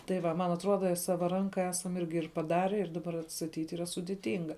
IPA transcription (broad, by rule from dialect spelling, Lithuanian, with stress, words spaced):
tɐɪ ˈʋɐ mɐn ɐtˈruɔdɐ ˈsɑːʋɐ ˈrɐŋkɐ ˈæːsɐm ˈɪrʲɡʲɪ ɪr pɐˈdɑːrʲɛ ɪr dɐˈbɐr ɐtstɐtʲiːtʲ ˈiːrɐ sʊdʲɪˈtʲɪŋɡɐ